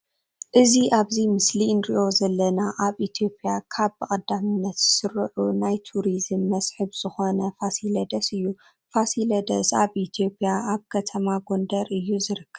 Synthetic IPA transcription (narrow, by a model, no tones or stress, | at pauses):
ʔɨziʔaβzimɨslinɾiʔo̞zɐlːɐnaʔaβit̪ʰijo̞pʼijakʰaβɨkʼɐd̪amɨnːɐt̪z̥ɨ̥sɨɾɨʕunajt̪ʰuɾizɨmːɐsʼħɨβz̥ɨxo̞nɐfasilɐd̪ɐsɨjːu | fasilɐd̪ɐsaβʔit̪ʰijo̞pʼijaaβkʰɐt̪ʰɐmaɡo̞nd̪ɐɾɨjːuzɨɾɨkʰːɐβ